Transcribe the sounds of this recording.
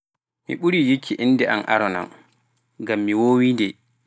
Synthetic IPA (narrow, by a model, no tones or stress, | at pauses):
mḭɓuɾijikʰːiʔinːdɛʔa̰nʔa̰ɾɔna̰n | ɡamːiwoːwindɛ